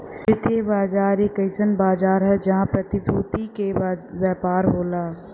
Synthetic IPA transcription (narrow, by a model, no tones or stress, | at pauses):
sɪt̪ʰebaːd͡ʒaːɾeːkɐɪsənbaːd͡ʒaːɾɦɛd͡ʒɐɦãpɾɐt̪ɪpɾuːt̪ikewjaːpaːɾɦoːlaː